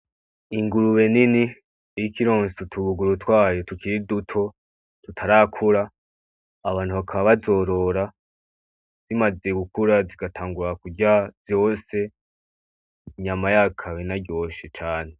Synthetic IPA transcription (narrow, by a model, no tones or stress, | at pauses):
iŋɡuɾuβe̞nini | ejikiɾoːnsutʰuβuɡuɾutwaːjo̞tukiɾidutʰo̞ | tutʰaɾakʰuɾaː | βaːn̥huβakʰaβaβazo̞ɾo̞ɾa | z̥imaze̞ɡukuɾaziɡatʰaːŋɡuɾakuɟavjo̞ːse̞ | ɲamajakʰaβenaɾɟo̞ʃit͡ʃaːne̞